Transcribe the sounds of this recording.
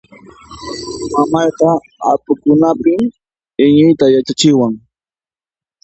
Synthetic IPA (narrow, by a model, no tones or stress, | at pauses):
mamajqɑ | apʊkʊnapɪm | ɪɲʊjt̪ajat͡ʃat͡ʃɪwaŋ